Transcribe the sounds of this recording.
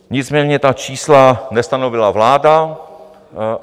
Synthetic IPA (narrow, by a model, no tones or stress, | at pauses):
ɲɪt͡smɛːɲɛt̪at͡ʃiːslanɛst̪anovɪlavlaːda